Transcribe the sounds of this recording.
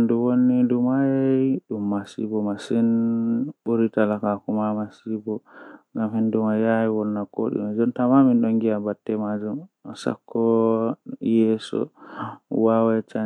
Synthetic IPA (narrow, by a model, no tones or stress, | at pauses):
nduwonːidumajaɗumːasḭbɔmasinɓuɾitalakakumamasibɔŋɡamhɛndumajajiwɔnːako̰ɗḭmad͡ʒɔntamaminɗɔŋɡiabatːɛmad͡ʒumsa̰kʰːɔ | jɛsɔ̰ | wawɛt͡ʃa